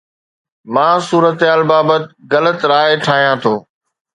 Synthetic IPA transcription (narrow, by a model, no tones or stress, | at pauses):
mãːsuːɾət̪ɦaːlbaːbət̪ɣɐlət̪ɾaːeʈʰaːɦijãːt̪ʰoː